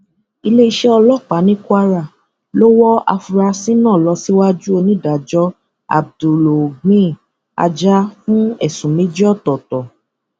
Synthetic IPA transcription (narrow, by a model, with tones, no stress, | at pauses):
i˧le˦i˧ʃɛ˦ɔ˧lɔ˦˨k͡pa˨˦nĩ˦kwa˧ɾa˨ | lo˦wɔ˦a̰˧fu˧ɾa˧sĩ˦nãː˦˨lɔ˧si˦wa˦d͡ʒu˦o˧nĩ˦da˨d͡ʒɔ˦ | a̰˨b̚du˨lo˨ɡ͡bĩ˦ | a̰˧d͡ʒa˦fũ˦ɛ˦˨sũ˨me˦d͡ʒi˦ɔ˦˨tɔ˨tɔ˨